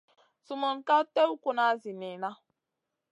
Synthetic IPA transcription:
su˨mɔ˨n˨ka˦te˦u˦kʷu˨na˨˦zi˨ni˨na˦

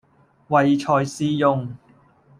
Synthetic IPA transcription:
wɐ˨˧jt͡ʃʰɔː˨˧jsiː˧˥jʊ˧ŋ

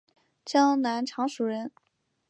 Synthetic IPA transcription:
t͡ɕjɑ˥na˧˥nʈ͡ʂʰɑ˧˥ŋʂu˨˩ɻə˧˥n

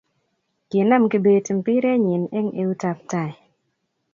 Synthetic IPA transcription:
kɪ˨na˦mki˨be˨ti˨mpi˦ɾɛ˦ɲɪ˨nɛ˦ŋe˦u˦ta˧p̚ta˨i˨

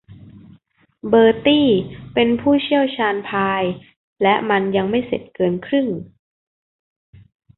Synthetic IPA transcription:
bɤː˧t̪iː˥˩pe˧npʰuː˥˩t͡ɕʰi˥˩əwt͡ɕʰaː˧npʰaː˧j | lɛ˦˥ʔma˧nja˧ŋma˥˩jsḛ˨˩t̪̚kɤː˧nkʰɾɯ˥˩ŋ

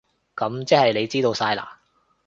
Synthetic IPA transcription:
kɐ˨˥mt͡sɛː˥hɐ˨jle˨˧jt͡siː˥t̪o˧wsaː˧jla̰ː˨

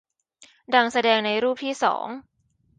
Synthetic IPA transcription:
da˧ŋsa˧dɛː˧ŋna˧jɾuː˥˩p̚t̪ʰiː˥˩sɔ̰ː˩˦ŋ

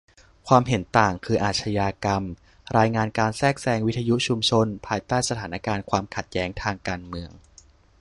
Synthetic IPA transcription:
kʰwaː˧mɦe˩˦nt̪aː˨˩ŋkʰɯː˧ʔaː˨˩t̪̚t͡ɕʰa˧jaː˧ka˧m | ɾaː˧jŋaː˧nkaː˧nsɛː˥˩k̚sɛː˧ŋwi˦˥t̪ʰa˧ju˦˥t͡ɕʰu˧mt͡ɕʰo˧npʰaː˧jt̪aː˥˩jsa˧aː˩˦na˦˥kaː˧nkʰwaː˧mkʰa˨˩t̪̚jɛː˦˥ŋt̪ʰaː˧ŋkaː˧nmɯ˧əŋ

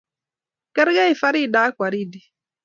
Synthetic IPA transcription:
kɛ˦ɾɡa˦i˨fa˦ɾi˦daː˦kʷa˨ɾi˦˨di˦

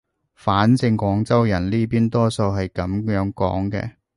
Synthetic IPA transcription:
faː˨˥nt͡sɪ˧ŋkʷɔː˨˧˥ŋt͡sɐ˥wjɐ˨˩nliː˥piː˥nt̪ɔː˥so˧wɦɐ˨jkɐ˨˧˥mjœː˨˥ŋkɔ̰ː˨˥ŋkɛ̰ː˧

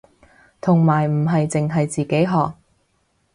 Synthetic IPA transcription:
t̪ʰʊ˨˩ŋmaː˨˩jm̩˨˩ɦɐ˨jt͡sɪ˨ŋɦɐ˨jt͡siː˨ke˨˥jɦɔː˨k̚

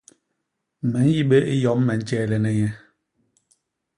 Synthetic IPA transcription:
mɛ˨˦n˦ji˦ɓe˦ʔi˦jɔ˨˦m˦mɛ˨˦n̩˦t͡ʃɛː˦˨lɛ˨nɛ˦ɲɛ˦

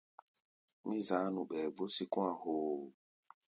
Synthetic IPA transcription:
mĩ˦za˨˦nũ˨ɓɛ˨bo˦si˦kũ˦a˨hoː˨

